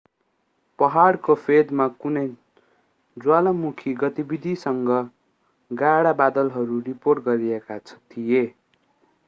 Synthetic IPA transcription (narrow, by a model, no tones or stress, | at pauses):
pʌɦaɽkopʰed̪makunʌj | d͡zwalʌmukʰiɡʌt̪ibid̪ʱisʌŋɡʌ | ɡaɽabad̪ʌlɦʌɾuriporʈɡʌɾiekat͡sʰʌ̥t̪ʰije